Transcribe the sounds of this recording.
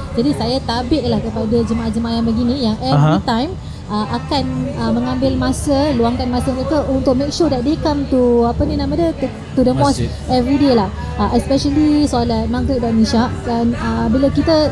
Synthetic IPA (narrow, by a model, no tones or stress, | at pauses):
d͡ʒadisajat̪abɪʔ̚lahkəpadad͡ʒəmaʔahd͡ʒəmaanbaɡinĩjaŋɛvɾit̪ãjm | ʔaʔakanəmə̃ŋãmbɪlmãsəluaŋkanmãsəməɾekəʔunt̪ʊk̚mek̚ʃudɛt̪̚dekəmt̪uapənĩnãmadət̪ | t̪udəmɔs | ɛvɾidelah | aʔɛspɛʃəlisualat̪̚mãŋkət̚daʔnĩʃaʔdanəbilakit̪ə